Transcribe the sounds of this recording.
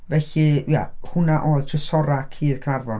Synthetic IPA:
vɛɬɨja̰hʊnaʔoːjðtʰrɪsɔɾakʰiːð̥kʰnarvɔn

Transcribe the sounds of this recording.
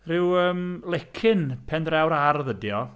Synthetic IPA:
rɪwəːmlˠɛkʰɪnpʰɛndrɛwɾarðədjɔ

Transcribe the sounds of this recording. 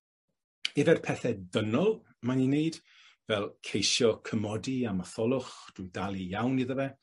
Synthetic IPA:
ɛvɛrpʰɛθɛdənɔlˠ | manineɨd̥ | vɛlˠkʰejʃjɔkʰəmɔdiamaθɔlˠʊχd̥ʊjdalˠijawniðəvɛ

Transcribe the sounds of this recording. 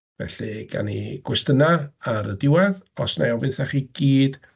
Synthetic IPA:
vɛ̰ɬɨɡ̥a̰nḭɡ̥wɛstənaaɾədɪwaðɔsnaɔvɨθaχiɡ̥iːd̥

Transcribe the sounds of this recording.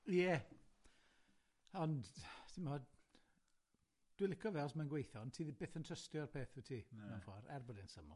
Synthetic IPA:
jɛ | ɔndtʰɪmɔ | d̥wɪlɪkʰɔvɛɔsmanɡwejθɔntʰiːðibeːθəntʰrəstjɔrpʰeːθutʰiːmafɔrɛ̰rbɔdɛnsəmɔ̰l

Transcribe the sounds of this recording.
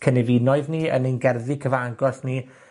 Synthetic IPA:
kʰənɛvinɔɨðniə̰nenɡɛrðikʰəvaaɡɔsni

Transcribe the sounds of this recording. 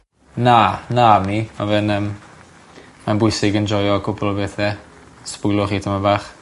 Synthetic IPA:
nanamnimavɨnəːm | manbʊjsɪɡənd͡ʒɔjɔkʰʊbɔlˠɔbeːθɛ | spʊjlˠʊχiːtʰamabaːχ

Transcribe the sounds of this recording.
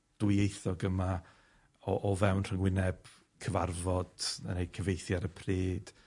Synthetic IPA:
d̥ʊjejθɔɡəma | ɔʔɔvɛwnr̥əŋwɪnɛb̥ | kʰəvarvɔd̥ənejkʰəvejθjaɾəpʰreːd̥

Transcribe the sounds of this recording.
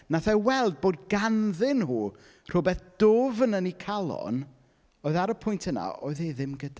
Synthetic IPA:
naθɛwɛlˠd̚boːd̚ɡanðɪnhuː | r̥ʊbɛθd̥oːvənənikʰalˠɔ̰n | oːɨðaɾəpʰʊjntʰəna̰ʔo̰ːɨðeðɪmɡəda

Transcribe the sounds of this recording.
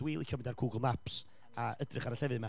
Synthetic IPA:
wiːlˠikʰəmndarɡuːɡlˠmaps | aədrɪχaɾaɬɛvðma

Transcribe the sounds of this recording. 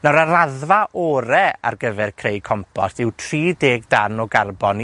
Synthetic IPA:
nɔɾaɾaðvaʔɔːɾɛa̰rɡəvɛrkʰrejkʰɔmpʰɔ̰stɪwtʰriːdeːɡdanɔɡarbɔn

